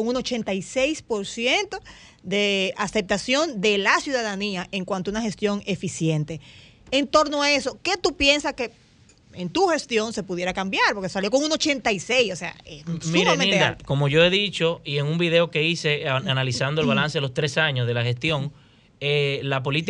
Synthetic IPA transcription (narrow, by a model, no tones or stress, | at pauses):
oŋuno̞t͡ʃe̞nt̪ajse̞jspo̞ɾsje̞nt̪o̞ | d̪e̞ase̞p̚t̪asjo̞nd̪e̞lasjuðaðaniaʔeŋkwant̪ounaxe̞st̪jo̞ŋe̞fisje̞nt̪e̞ | ent̪o̞ɾnoae̞so̞ke̞t̪upje̞nsaske̞ | ent̪uxe̞st̪jo̞nse̞puðje̞ɾakambjaɾpo̞ɾkesaljo̞ko̞ŋuno̞t͡ʃe̞nt̪ajsejsose̞a̰emiɾmẽid̪a̰ko̞mo̞ʝo̞e̞ðit͡ʃo̞ieŋumbiðe̞oke̞ise̞analisand̪oelβalanseelost̪ɾe̞saɲozðe̞laxe̞st̪jo̞ŋ | elap̬o̞lit̪i